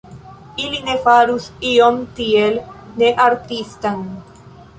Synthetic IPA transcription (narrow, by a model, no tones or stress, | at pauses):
ilinefaɾusiomt̪ielneʔaɾt̪ist̪an